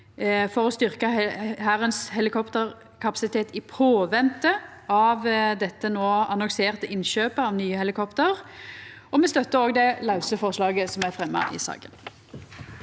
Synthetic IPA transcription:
fɔʁɔst̪ʏʁkəɦæːʁənshɛlɪkʰɔpt̪əʁ | kʰɑpɑsɪt̪ʰeːt̪ɪpʰoːʋɛnt̪əɑʋd̪ɛt̪ːənoːɑnɔŋseːʁt̪əʔɪnʃøːpəɑʋnyːəhɛlɪkʰɔpt̪əʁ | ɔmɛst̪œt̪ːəɾoːɡd̪ɛlɑʉsəfɔʁʂlɑːɡəsɔmæfʁɛmːɑ̰ʔɪ̰sɑ̰ːɡə̰n

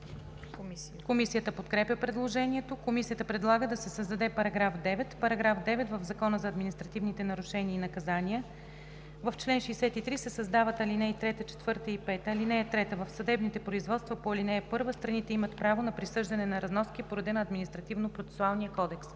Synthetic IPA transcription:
komisijət̪əpot̪kɾɛpʲjəpɾɛd̪lˠoʒɛniɛt̪okomisijət̪əpɾɛd̪lˠaɡəd̪ɐsɛsəzd̪ɐd̪ɛpɐɾɐɡɾafd̪ɛvɛt̪pɐɾɐɡɾafd̪ɛvɛt̪vəvzɐkɔnəzɐːd̪minist̪ɾɐt̪ivnit̪ɛnɐɾʊʃɛniəinɐkɐzaniə | vɐft͡ʃlɛnʃɛːsɛt̪it̪ɾisɛsɐzd̪avət̪ɐlinɛjt̪ɾɛt̪ət͡ʃɛ̥t̪v̥ɤɾt̪əipɛt̪əɐlinɛjət̪ɾɛt̪əvəfsɐd̪ɛbnit̪ɛpɾoizvɔt̪st̪vəpoɐlinɛjəpɤɾvəst̪ɾɐnit̪ɛimɐt̪pɾavonɐpɾisɤʒd̪ɐnɛnɐɾɐznɔskipoɾɐd̪ɛnɐːd̪minist̪ɾɐt̪ivnopɾot̪sɛ̥sualˠnijəkɔd̪ɛks

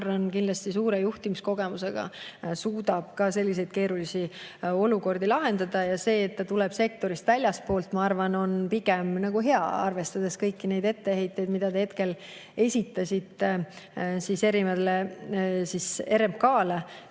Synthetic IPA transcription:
rːonkind̪lɑsʲt̪isuːɾe̞juht̪imisko̞ɡ̥e̞muse̞ɡ̥ɑ̰suːd̪̥ɑb̥̚kɑse̞lʲːis̬e̞jd̪̥ke̞ːɾulisio̞luko̞rd̪ilɑɦe̞nd̪ɑd̪̥ɑjɑse̞ːt̪ːɑt̪ulɛb̥se̞k̚t̪o̞ɾist̪vælʲjɑspo̞ːlt̪ˑmɑɑrvɑno̞npiɡ̥e̞mnɑɡ̥uɦe̞ɑ̰ɑ̰rve̞st̪ɑd̪̥e̞skɤjkːine̞jd̪̥e̞t̪ːe̞he̞jt̪ˑːe̞jd̪mid̪ɑt̪ehe̞t̪ke̞l | e̞sʲit̪ːˑɑsʲit̪ːˑe | sise̞ɾimɑd̪lesise̞ɾempkɑːle

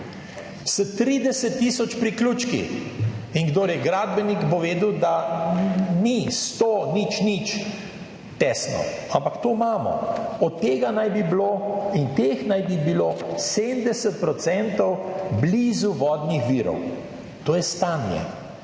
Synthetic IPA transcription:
sət̪ɾiːd̪ɛsət̪ːiːsɔt͡ʃpɾikluːt͡ʃkḭː | ŋɡd̪oːɾjɛɡɾaːd̪bɛnikpɔʋeːd̪wd̪a | nist̪onit͡ʃnit͡ʃ | t̪ɛsnɔ̰ | ampakt̪oːmaːmɔ̰ɔt̪ːeːɡanajbibloːint̪exnajbibiloːsed̪md̪ɛsət̪̚pɾɔt̪sɛnt̪ɔwblizuʋɔːd̪nixʋiːɾɔ̰w | t̪oːjɛst̪anjɛ̰

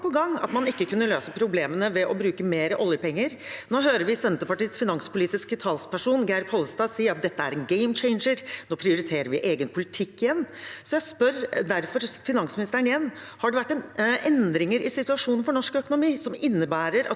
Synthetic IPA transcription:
pʰɔɡɑŋːɑ̰t̪mɑnɪkːəkʰʉnːəløːsəpʰɾʊbleːmənəʋɛʔɔbɾʉːkəmeːɾəʔɔljəpɛŋːəɾnoːɦøːɾəɾʋɪsɛnt̪əpɑʈiːsfɪnɑŋspʰʊliːt̪ɪskɪt̪ʰɑlspæʂuːnɡæɪɾphɔləst̪ɑːsiːəɾɑt̪̚d̪ɛt̪ːəæɾɛnɡɛɪmt͡ʃɛɪnʂəɾnoːpʰɾɪʊɾɪt̪ʰeːɾəɾʋɪʔeːɡənpʰʊlɪt̪ʰɪkːɪjɛnːsɔjæɪspœɾd̪æɾfɔɾfɪnɑŋsmɪnɪst̪əɾəɳɪjɛnː | hɑɖɛʋæʈːɛnʔɛnd̪ɾɪŋəɾʔɪsɪt̪ʉɑʂuːnnfɔɳɔʂkœkʊnʊmiːsɔmɪnːəbæːɾəɾɑ

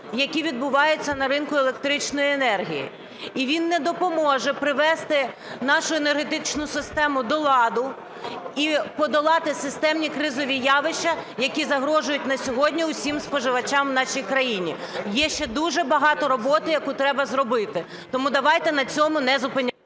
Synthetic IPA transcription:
jɐkʲiʋʲid̪̚bʊʋɑjʊt͡sʲːɐnɐɾɪnkʊelˠek̚t̪ɾɪt͡ʃnɔjiɛnɛrɦʲijḭ | iʋʲinːɛd̪ɔpɔmɔʒɛpɾɪʋɛst̪ɪ | nɑʃʊenerɦet̪ɪt͡ʃnʊsɪst̪ɛmʊd̪ɔlˠɑd̪ʊ | ipɔd̪ɔlˠɑt̪ɪsɪst̪ɛmnʲikɾɪzɔʋʲijɑʋɪʃt͡ʃɐjɐkʲizɐɦɾɔʒʊjʊtʲnɐsʲɔɦɔdʲnʲiʊsʲimspɔʒɪʋɐt͡ʃamnɑʃijkɾɐjinʲi | jɛʃt͡ʃɛd̪uʒɛbɐɦɑt̪ɔɾɔbɔt̪ɪjɐkut̪ɾɛbɐzrɔbɪt̪ɪ | t̪ɔmud̪ɐʋɑjt̪ɛnɐt͡sʲɔmʊnɛzʊpɪnʲː

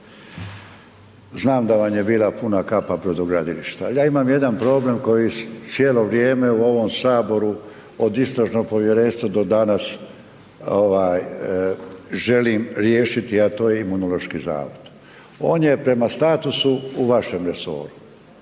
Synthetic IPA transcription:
znaːmd̪aʋamjebiːlapunakapapɾod̪oɡɾad̪ilḭʃt̪ajaːimamje̞d̪anpɾo̞ːble̞mko̞jisjeːlo̞ʋɾje̞ːme̞uo̞ʋo̞msaːbo̞ɾu | od̪ist̪ɾaʒno̞ɡ̚po̞ʋjeɾeːnst̪ʋad̪o̞d̪anas | oʋaːj | ʒe̞liːmɾje̞ːʃit̪iat̪o̞ːjeimunolo̞ʃkiza̰ːʋod̪ | o̞ːnje̞pɾe̞mast̪aːt̪usuuʋaʃe̞mɾe̞so̞̰ːɾu

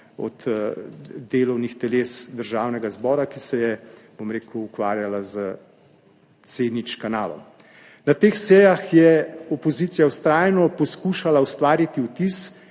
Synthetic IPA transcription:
ɔ̰t̪ | d̪eːlɔwnixt̪ɛleːsd̪əɾʒaːwnɛɡazbɔːɾakisɛjɛb̥omɾeːkuːkʋa̰ːɾjalazə | sed̪nit͡ʃkanaːlɔ̰m | nat̪eːxsɛːjaxjɛɔpɔzit̪sijawst̪ɾaːjnɔpɔskuːʃalaust̪ʋaːɾit̪iut̪is

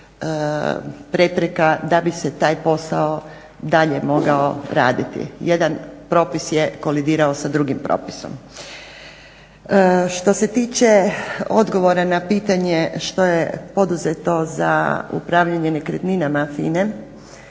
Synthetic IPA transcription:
pɾe̞pɾekad̪abiset̪aːjpo̞sao | d̪aʎemo̞ɡaoɾaːd̪it̪ḭjed̪anpɾo̞ːpisjeko̞lid̪iːɾaosad̪ɾuɡimpɾo̞̰ːpi̥so̞̰m | ʃt̪o̞se̞t̪iːt͡ʃe̞o̞d̪ɡo̞ʋo̞ɾanapiːt̪aɲe̞ʃt̪o̞jepo̞d̪uzet̪o̞za̰ṵpɾaʋʎaɲe̞nekɾet̪ninamafḭne

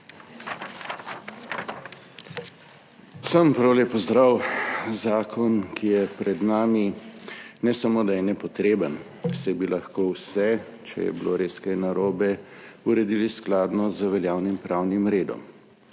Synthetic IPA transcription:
səmpɾawleːpɔzd̪ɾawzaːkʰɔnkʰijɛpɾɛd̪naːmi | nɛsamoːd̪ajɛnɛpɔt̪ɾeːbən | sɛjbilaxkowsɛ | t͡ʃɛ̰jɛ̰biloɾeːskajnaɾoːbɛuɾɛd̪ilisklaːd̪nɔzəʋɛljaːwnimpɾawnimɾeːd̪ɔ̰m

